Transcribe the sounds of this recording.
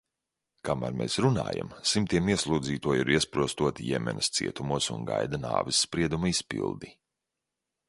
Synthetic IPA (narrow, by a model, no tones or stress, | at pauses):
kama̰ːɾmʲɛsɾuna̰ːja̰msimt̪iɛmiɛslˠuːdziːt̪uɔjiɾiɛspɾuɔst̪uɔt̪ijɛ̰mʲɛ̰nɐst̪sḭɛt̪umuɔsunɡajd̪ana̰ːvisːpɾiɛd̪umɐispḭlˠd̪i